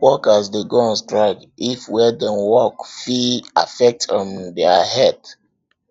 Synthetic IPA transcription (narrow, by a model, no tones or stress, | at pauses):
wɔkasdeɡɔãnstɹaɪk | ifwɛdɛ̃nwɔkfia̰fɛk̚tɔ̃ndɛhɛd